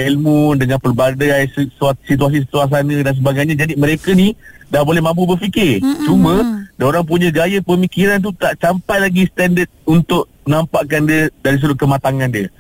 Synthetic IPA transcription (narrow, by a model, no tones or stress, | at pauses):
elmundəŋãnpərbadajsssit̪̬uas̬is̬ət̪uas̬anə̃dans̬əbaɡajɲad͡ʒadimə̃ɾekəni | dahbolɛhmãmp̬ubərfikɪt͡ʃumə̃daoɾaŋp̬uɲə̃ɡajəpəmikiɾant̪̬ut̪aʔsampajlaɡist̪ɛndət̪̚unt̪ʊʔ | nãmpaʔkandiədaɾis̬əɾʊt̪̚kəmat̪aŋãndiə